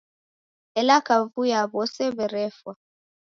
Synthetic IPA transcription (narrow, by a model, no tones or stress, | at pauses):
ɛlakavujaβɔsɛβɛɾɛfwa